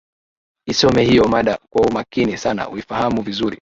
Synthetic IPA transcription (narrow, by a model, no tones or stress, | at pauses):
isɔmɛhijɔmaɗakwaumakinisana̰uifahamuvizuɾḭ